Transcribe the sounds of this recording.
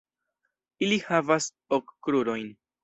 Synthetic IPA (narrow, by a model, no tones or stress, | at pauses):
ilihavas | okːɾuɾo̞jn